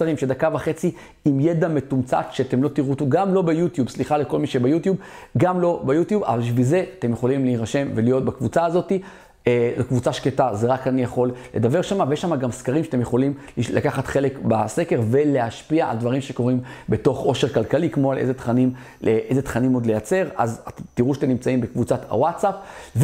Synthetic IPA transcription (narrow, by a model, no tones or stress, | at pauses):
aʁimʃed̪akavaχe̞t͡si | imjed̪ame̞t̪umt͡sa̰t̪ʃeat̪emlo̞t̪iʁut̪uɡamlo̞bejut̪jubsliχaleko̞lmiʃebajut̪jubɡamlo̞bajut̪juba̰valbiʃvilzeat̪e̞mjeχo̞limliiʁaʃe̞mve̞lijo̞t̪̚bakvut͡saːzo̞t̪i | ezokvut͡saʃketazeʁakanijaχo̞lle̞d̪abe̞ʁʃamavejeʃːamaɡamskaʁimʃatemjeχo̞limlilakaχat̪χele̞kbase̞keʁve̞le̞aʃpiaa̰ld̪vaʁimʃe̞ko̞ʁimbe̞to̞χo̞ʃe̞ʁkalkalikmo̞alḛzet̪χanim | ʔeʔezet̪χanimo̞d̪le̞jat͡se̞ʁa̰zt̪iʁuʃatemnimt͡saimbekvut͡sat̪ha̰watsapv